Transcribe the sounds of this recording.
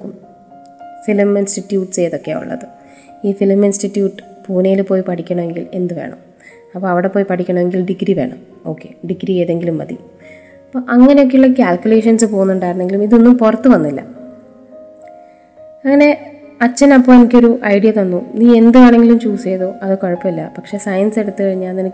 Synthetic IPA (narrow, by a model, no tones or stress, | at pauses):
kːum | filɐminsʈiʈːjuːʈːt͡ɕe̞jɐðo̞kːea̰ːṵɭːɐ̰ðɨ | iːfilɐminstiʈːjuːʈːɨ̥puːnɐjilpːo̞ːjipɐʈʰikʲːɐɳɐʋe̞ŋɡile̞nd̪uka̰ːɳɐ̰m | ɐpːoːɐʋiɽepːoːjipɐʈʰikʲːɐɳɐʋe̞ŋɡilɖiɡɾiʋe̞ːɳɐm | o̞ːkːe̞̰ɖiɡɾiejɐðe̞ŋɡilumːɐ̰d̪ḭj | ɐpːoːʔɐŋːɐne̞jokːe̞uɭːɐkʲaːlkʲjule̞ːʂɐnsɨpo̞ːɣunːuɳɖaːiɾunːe̞ŋɡilumiðo̞nːumpurɐt̪ːɨʋɐnːilːɐ̰ | ɐŋːɐne̞ɐt͡ɕːɐnɐpːo̞ːnemikʲːo̞ɾuʔɐjɖijɐt̪ɐnːuniːe̞nd̪ukaːɳe̞ŋɡilumt͡ɕuːsijɐðoɐðɨkoɻɐpːɐmilːɐpɐkʂe̞ːsɐjɐnse̞ɽut̪ːɨkɐɻiɲːaɐnini